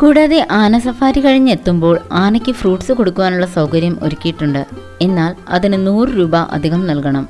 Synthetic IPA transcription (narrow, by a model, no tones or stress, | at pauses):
kuːɽaːðeʔaːnɐsɐfaːɾikɐɻiɲːɨe̞t̪ːumbo̞ːɭaːnɐkʲːɨfruːʈsɨko̞ɽukːuʋaːnuɭːɐsɐwkɐɾjɐmo̰ɾukʲːijiʈːuɳɖɨ | e̞nːaːlɐ̰ðinɨnuːrɨɾuːbɐʔɐ̰d̪ʱiɣɐmnɐlkɐɳɐm